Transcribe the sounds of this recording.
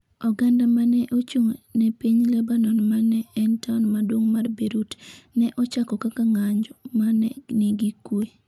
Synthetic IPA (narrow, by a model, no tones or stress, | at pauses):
ɔɡandamanɛʔot͡ʃoŋonɛpiɲlɛbanɔnmanɛːntanmadwoŋmarbeɾutnɛʔɔt͡ʃakɔkakaŋaɲd͡ʒɔmanɛ̰niɡikwe